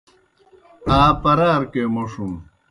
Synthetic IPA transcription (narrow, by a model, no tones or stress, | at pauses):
aːpɐɾaːɾkemoʂum